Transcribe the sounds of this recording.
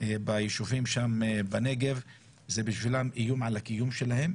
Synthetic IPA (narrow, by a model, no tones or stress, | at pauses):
ebajeʃuvimʃambaneɡev | zebiʃvilamʔijumʕalakijumʃelahem